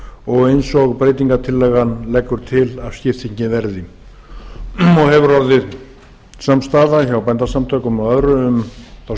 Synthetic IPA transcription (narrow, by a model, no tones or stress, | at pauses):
ɔɣejnsɔɣpɾeːjt̪̬iŋkat̪ʰɪlːɛɣanlɛkːʏɾ̥t̪ʰɪlav̥scɪft̪ɪɲcɪvɛɾðɪ | ɔɣhɛvʏɾɔwðɪð | samst̪aːðaçawpɛjnt̪asamt̪ʰœːɥkʏmɛðœðɾʏʏmθaw